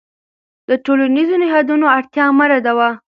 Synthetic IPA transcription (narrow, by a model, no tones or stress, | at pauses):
d̪əʈolanizonɪɦɑd̪unoaɽt̪jɑmaɾad̪awa